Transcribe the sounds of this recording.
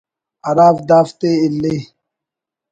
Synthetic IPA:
ɐɾaːfd̪aːft̪eːilːe

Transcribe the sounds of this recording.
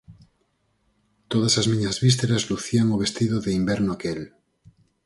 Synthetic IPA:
t̪oð̞asazmĩɲazβis̬t̪eɾazluθiaŋoβ̞e̞st̪iðoðeimbeɾnoakel

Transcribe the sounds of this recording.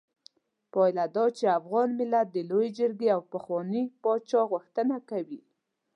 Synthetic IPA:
pɑjlad̪ɑt͡ʃeafɣɑnmɪlat̪̚d̪əlojed͡ʒəɾɡeawpəxwɑnəpɑt͡ʃɑɣuxt̪ənakawi

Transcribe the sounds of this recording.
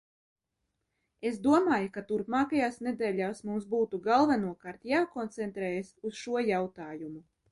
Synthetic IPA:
esd̪uɔmaːjukat̪uɾpmaːkajaːsned̪ɛːʎʲaːsmumsbuːt̪uɡalˠvanuɔkaːɾt̪jaːkɔnt̪sɛnt̪ɾɛːjasusʃuɔjawt̪aːjumu

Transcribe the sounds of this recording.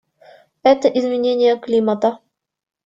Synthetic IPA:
ɛt̪əʔizmʲɪnʲenʲɪjəklʲimət̪ə

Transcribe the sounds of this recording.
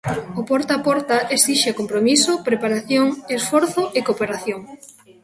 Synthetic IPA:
opɔɾt̪apɔɾt̪aʔesiʃeakompɾomisʊpɾepaɾaθjoŋesfɔɾθʊʔekopeɾaθjoŋ

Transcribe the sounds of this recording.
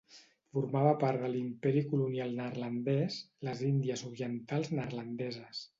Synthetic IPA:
fuɾmaβəpaɾðəlimpɛɾikulunialˠnəɾlənd̪ɛsləzind̪iəzuɾiənt̪alˠznərlənd̪ɛzəs

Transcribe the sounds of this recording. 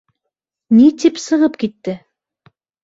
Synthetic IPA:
nit̪ipsɤ̆ʁɤpkit̪ːɘ

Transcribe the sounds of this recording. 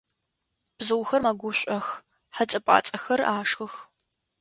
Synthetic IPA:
b̥zɨwxɐrmɐɡʷʊɕʷʼɐx | ħat͡sʼɐpʷʼa̰ːt͡sʼɐxɐraːʂxɨx

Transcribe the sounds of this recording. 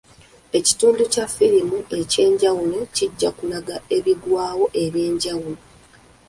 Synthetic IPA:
e̞ci̥tuːnducafːiɾimue̞ce̞ːɲɟawulociɟːakunaɡae̞βiɡwaːwo̞ʔe̞βje̞ːɲɟawulo

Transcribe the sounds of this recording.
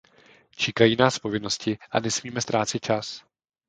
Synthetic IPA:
t͡ʃɛkajiːnaːspo̞vɪno̞scɪʔa̰nɛsmiːmɛst̪ɾʔaːt͡sɪt̪̚t͡ʃas

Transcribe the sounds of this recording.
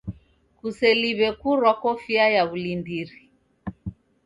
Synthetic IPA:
kusɛliβɛkuɾwakɔfiajaβulindiɾi

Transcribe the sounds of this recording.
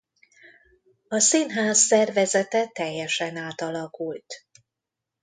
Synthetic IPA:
ɒsinɦaːsːɛrvɛzɛt̪ɛt̪ɛjːɛʃɛnaːt̪ɒlɒkult̪

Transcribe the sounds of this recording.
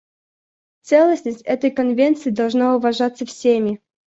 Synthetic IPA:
t̪sɛlˠəsʲnəsʲtʲɛt̪əjkɐnvʲent̪sɨid̪ɐlˠʐnaʊvɐʐat̪səfsʲemʲiɪ

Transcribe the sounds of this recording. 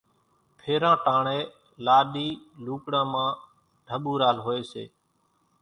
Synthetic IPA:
pʰeːɾãːʈãːɳeː | laːɗiːluːkɽãːmãː | ɖʱəɓuːɾaːlɦoːeːsḛː

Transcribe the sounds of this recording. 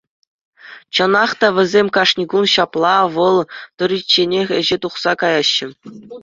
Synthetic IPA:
t͡ɕɤ̆nɑχt̪ɑʋʲɘ̆zʲemʲkɑʂnʲiɡunɕɑplˠɑʋɤ̆lˠt̪ŏɾʲit͡ɕːenʲexʲɘ̆ʑet̪uχsɑkɑjɑɕːɘ̆

